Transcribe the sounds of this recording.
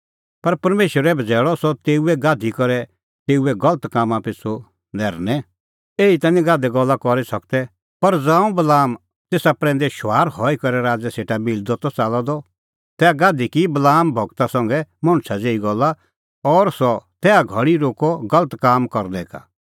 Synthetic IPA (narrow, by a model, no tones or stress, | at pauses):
pɐɾpɐɾmeːʃwəɾɛbʱɐd͡zɛːɭɔsɔt̪eːuɛɡaːd̪ʱikɔɾɛ | t̪eːuɛɡɐlət̪kaːmãpɪsʰo | nɛːɾnɛ̃ | eːit̪ãːnĩɡaːd̪ɛɡɔlːakɔɾisɐk̚t̪ɛ | pɐɾd͡zãːũbɐlaːm | t̪eːsapɾɛ̃ːn̆d̪ɛʃʊaːɾhɔikɐɾɛɾaːd͡zɛseːʈabild̪ɔt̪ɔt͡saːlɔd̪ɔ | t̪ɛːaɡaːd̪ʱikibɐlaːmbʱɔɡt̪asɐ̃ŋɡɛmɔ̃ɽ̃t͡ʃʰad͡zeːiɡɔlːa | ɔːɾsɔt̪ɛːaɡʱɐɽiɾoːkɔɡɐlət̪kaːmkɔɾnɛ̃ka̰